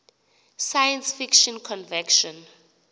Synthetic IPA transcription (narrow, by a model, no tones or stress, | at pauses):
sajɛ̃nsfikʃɔ̃nkʰɔ̃nvɛkʃɔ̃n